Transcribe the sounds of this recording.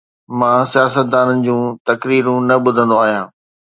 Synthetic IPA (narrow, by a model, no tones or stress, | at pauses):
mãːsijaːsət̪̚d̪aːnənɪ̆d͡ʑũːt̪ɐkɾiːɾũnɐɓʊd̪ʱə̃nd̪oaːɦijãː